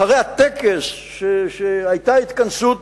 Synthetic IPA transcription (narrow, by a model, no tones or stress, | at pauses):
haʁejat̪ekes | ʃeʃeajt̪ait̪kansut̪̚